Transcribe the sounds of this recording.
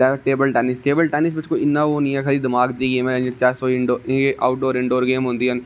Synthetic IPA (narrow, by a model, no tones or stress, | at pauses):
aʈeːbəlʈɛːnɪsʈeːbəlʈɛːnɪsbɪt͡ʃkoɪnːaʋoːniɛkʰɐlid̪ɪmaːɡd̪iɡeːmẽẽnd͡ʒet͡ʃaːɾsoɪ̃ɳɖoːɪeʔaːʊʈ̚ɖoːɾɪ̃ɳɖoːɾɡeːmɦõːnd̪iːɐn